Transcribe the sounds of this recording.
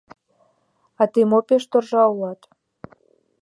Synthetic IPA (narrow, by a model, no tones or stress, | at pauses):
ɑt̪imopeʃt̪orʒɑulɑt̪